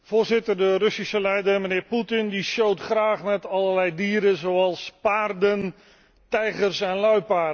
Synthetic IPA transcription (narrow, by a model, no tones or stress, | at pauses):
voːrzɪtərdərɵsisəlɛjdərmənɪːrputɪndiʃjowtχraːχmɛtɑlˠərlɛjdiːɾəzowɑlˠspaːrdən | tɛjɣərsɛnlœɥpaːdə